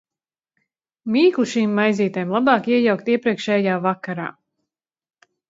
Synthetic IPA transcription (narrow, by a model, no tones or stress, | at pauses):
miːklˠuʃiːmːajziːt̪ajmlˠabɑːkiɛjawk̚t̪iɛpɾiɛkʃɛjajaːvakaɾa̰ː